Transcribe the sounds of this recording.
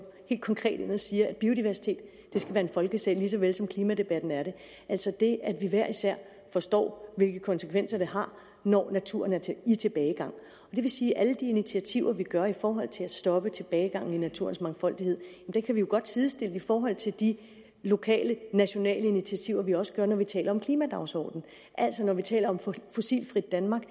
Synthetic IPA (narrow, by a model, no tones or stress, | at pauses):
he̝̰ld̥̚kʰɒŋkʰʁɛ̰ːd̥enðˠsiːɐæb̥io̝d̥iʋæɐsi̥t͡sʰe̝̰ːd̥ːe̝sɡ̥æʋæːɐe̝nfɒ̽lɡ̥əsɛ̰ːlis̬ɒ̽ʋelsɒ̽mkʰliːmæd̥e̝b̥æd̥n̩æɐɾe̝ | ʔæl̰sɒ̽d̥e̝ʔæd̥ʋiʋæɐ̰isæɐ̰ | fɒ̽sd̥ɒ̰ːʋe̝lɡ̥əkʰɒ̽nsə̥kʰʋen̰sɐd̥e̝ɦɑ̈ | nɒ̰ːnæt͡sʰuɐnæɐt͡sʰeit͡sʰe̝b̥ɛːɪɡ̥ɑ̈ŋ̰ | ɒ̽d̥e̝ʋe̝siːʔæləd̥iinit͡sʰiæt͡sʰiʊ̰ɐʋiɡ̥ɶɐifɒːɦɒ̽l̰t͡sʰe̝læsd̥ɒ̽b̥ət͡sʰe̝b̥ɛːɪɡ̥ɑ̈ŋ̰n̩inæt͡sʰṵɐnsmɑ̈ŋfɒ̽l̰d̥ihe̝ð̞̰ˠjmd̥ekʰæʋijo̝ɡ̥ɒ̽d̥sʰiðˠsd̥e̝ləifɒːɦɒ̽l̰t͡sʰe̝ld̥i | lo̝kʰɛ̰ːlənæɕo̝nɛ̰ːləinit͡sʰiæt͡sʰiʊɐʋiɒ̽sə̥ɡ̥ɶɐnɒʋit͡sʰɛ̰ːlɐɒ̽mkʰliːmæd̥ɑ̈ʊsɒ̰ːd̥n̩ | ʔæl̰sɒnɒʋit͡sʰɛ̰ːlɐɒ̽mfo̝sḭːlfʁid̥̚ːænmɑ̈ːɡ̥